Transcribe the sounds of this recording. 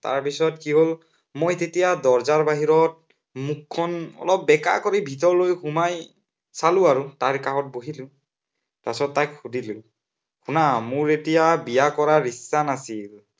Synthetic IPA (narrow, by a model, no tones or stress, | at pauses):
ta̰ɹpisɔtkiɦol | mojtetijadɔɹzaɹbaɦiɹɔt̚ | mukʰːɔnɔ̰lɔp̚ːɛka̰koɹibʱitɔɹlojxumaj | salʊ̃aɹutaɹkaɹɔt̚boɦilʊ̃ | pasɔtːajkxudilʊ̃ | xunamʊɹetijabijakɔɹaɹisanasil